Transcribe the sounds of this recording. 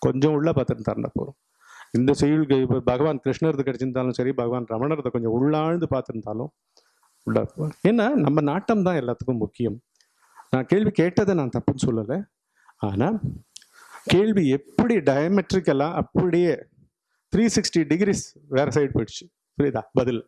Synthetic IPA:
kɔɲd͡ʒɔ̃ʊɭːɐpaːɾt̪ɯɾnt̪ɐ̰ːɾɐnd̪ɐ̰pːo̰ːɾʊ̃ | ɪnd̪ɐsɛjɯɭkɯɪpːbʱɐɣɐʋaːnkɾɪʂɳɐɾɯɯkːɐɽɛt͡ʃːɯɾɯnd̪aːlʊ̃sɐɾibʱɐɣɐʋaːnɾɐmɐɳɐɾɐt̪ːɐkɔɲd͡ʒɔ̃ʊɭːaːɻnd̪ɯpaːɾt̪ɯɾɯnd̪aːlʊ̰̃ | ʊɭːɐ̰ɛːnːaːnɐmːɐnaːʈːɐmt̪ãːɛlːaːt̪ːɯ̥kːʊ̃mʊkːɪjɐm | nãːkeːɭʋikeːʈːɐðenãːt̪ɐpːɯnːɯsɔlːɐlːe | aːnaː | keːɭʋiɛpːɐɽiɖɐjɐmɛʈɾɪkːɛlːãːʔɐpːɐɽɪjeː | t̪ʰɾiːsɪksʈiɖɪɡɾiːs | ʋeːɾɐsɐɪɖ̚poʈt͡ʃːɯ̥ | sɐɾit̪aːbɐðɪl

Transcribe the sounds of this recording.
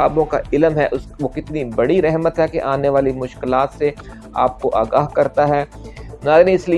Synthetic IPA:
aːbõkaʔɪləmɦɛʔʊsʋokɪt̪nibɐɽiɾɛɦmət̪ɦɛkeʔaːneʋaːlimʊʃkɪlaːt̪se | a̰ːp̚koʔa̰ːɡaːɦkɐɾt̪aɦɛːnaːɾnĩɪsli

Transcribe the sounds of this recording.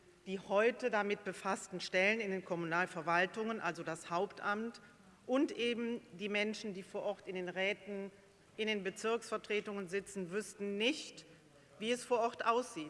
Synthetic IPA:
d̥iːhɔʏtədamɪt̚b̥əfastn̩ʃtɛlənɪndeːnkʰɔmunaːlfɛɐvaltʊŋənʔalzodashaʊptʔamt | ʔʊntʔeːbm̩diːmɛnʃn̩diːfoːɐʔɔɐtɪndeːnʁɛːtn̩ | ʔɪndeːnbət͡sɪɐksfɛɐtʁ̥eːtʊŋənzɪt͡sn̩vʏstn̩nɪçt | v̥iːɛsfoːɐʔɔɐtʔaʊsz̥iːt

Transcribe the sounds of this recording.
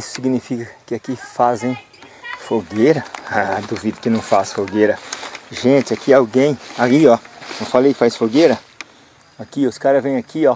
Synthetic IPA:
isʊ̥siɡnifikɐkɪakifazẽj̃ | foɡejɾɐad̪uvid̪ɪkɪnɐ̃w̃fasfoɡeɾɐʒẽt͡ʃɪakiawɡẽj̃aiɔɐ̃falejfajsfoɡeɾɐ | akiʊskaɾɐvẽj̃akiɔ

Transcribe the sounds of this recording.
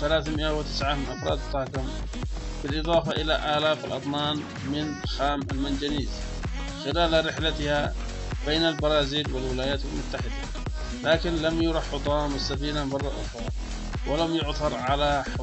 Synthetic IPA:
θalaːθmɪʔawɪt̪ɪ̥sʕamɪnʔɑfɾˤɑ̰ːd̪t̪ˤːɑːkam | bɪlʔɨðˤɑːfaʔɪla̰ʔaːlaːfalʔɑt̪ˤnaːn | mɪnxaːmalmand͡ʒaniːz | xɪlaːlɾɪħlat̪ɪha | beːnalbɑɾˤɑːziːlwɪlwɪlaːjaːt̪almʊt̪ːaħɪd̪a | laːkɪnlamjʊɾˤɑħʊd̪ˤɑːmasːafiːnamɑrˤːɑʔʊ̰xɾˤɑ̰ | wɪlamjʊʕθɑɾˤʕalaħ

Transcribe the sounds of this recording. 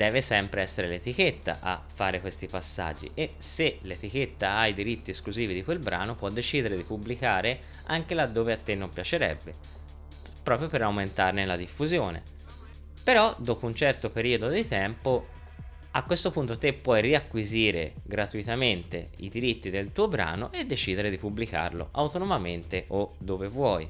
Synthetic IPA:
d̪̥ɛːvesɛmpɾeɛsːeɾelet̪iket̪ːa̰ʔa̰fːaːɾekwest̪ipasːa̰d͡ʒːḭʔeselet̪iket̪ːaaid̪iɾit̪ːieskluziːvid̪ikwelbɾa̰ːnopwɔd̪ːet͡ʃiːd̪eɾed̪ipublikaːɾe | aŋkelad̪ːoːveat̪ːenːompjat͡ʃeɾɛ̰bːe | pɾɔːpɾjopeɾawment̪arnelad̪ifːuzjoːnḛ | peɾɔd̪oːpount͡ʃɛrt̪opeɾiːod̪od̪it̪ɛmpo | akːwest̪opunt̪ot̪epːwɔjriakːwiziːɾḛɡɾat̪uit̪ament̪ḛḭd̪iɾit̪ːid̪elt̪uːobɾa̰ːno̰ʔed̪ːet͡ʃiːd̪eɾed̪ipublika̰rlo̰ʔawt̪onomament̪eʔod̪ːoːvevwɔj

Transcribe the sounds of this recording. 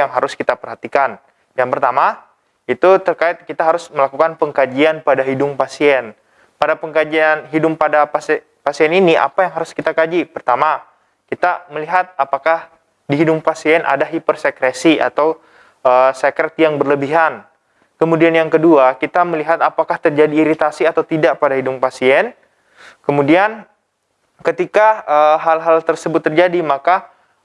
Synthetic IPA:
aŋɦaɾʊskit̪apərɦat̪ikan | jaŋpərt̪ama | it̪ut̪ərkaɪt̪̚kit̪aɦaɾʊsməlakukanpəŋkad͡ʒianpadaɦidʊŋpasiɛn | padapəŋkad͡ʒianɦidʊmpadapas | pasiɛniniʔa̰pajaŋɦaɾʊskit̪akad͡ʒipərt̪ama | kit̪aməliɦat̪̚apakah | diɦidʊmpasiɛnʔa̰daɦipərsekɾesia̰t̪aw | əːsekɾɛt̪̚jaŋbərləbiɦan | kəmudianjaŋkəduakit̪aməliɦat̪apakaht̪ərd͡ʒadiːɾit̪asiat̪awt̪idaʔ̚padaɦidʊmpasiɛn | kəmudian | kət̪ikaəɦalɦalt̪ərsəbʊt̪ːərd͡ʒadimaka

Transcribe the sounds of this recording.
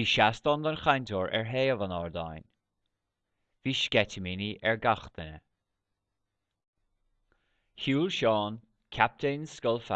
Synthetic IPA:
iːʃast̪ɔnd̪ənxanʲt̪ʰoːɹʔɛ̰ɹɦeːəvanɑɹd̪a̰jn | v̥iːʃɡ̥ɛtəminiʔɛɹɡaxt̪ənə̰ | huːlʃɑːn | kʰap̚t̪ʰeːnskəlfa

